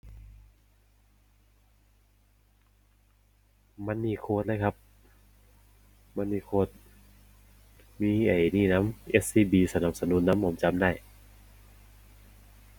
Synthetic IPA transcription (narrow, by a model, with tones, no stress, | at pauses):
ma˧˥˨nːiː˧˩kʰoː˧˩t̪̚la˧˥jkʰa˦˧p̚ | ma˧˥nːiː˧˩kʰoː˧˩t̪̚ | miː˧˥˨ʔa˨˧˩jniː˧˩na˦˥mʔe˦˧˥t̪̚siː˧˩biː˧˩sa˧na˧˩p̚sa˧nu˧˥˨nːa˧˥mho˧˦mt͡ɕa˧˥mdaː˥˩j